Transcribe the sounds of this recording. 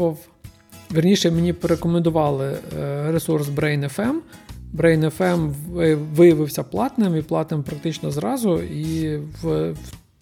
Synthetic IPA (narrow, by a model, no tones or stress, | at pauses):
ɐw | ʋʲirnʲiʃɛmenʲipeɾekɔmend̪ʊʋɑlˠɪɾesursbɾɛjnefɛmbɾɛjnɛfɛmʋɪjɐʋɪwsʲɐplˠɑt̪nɪmiplˠɑt̪nɪmpɾɐk̚t̪ɪt͡ʃnɔzɾɑzʊiʋ